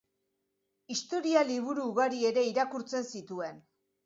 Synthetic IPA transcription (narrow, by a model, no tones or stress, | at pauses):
ist̪o̞ɾialiβ̞uɾuːɣaɾie̞ɾe̞iɾakuɾt͡se̞nsit̪ue̞n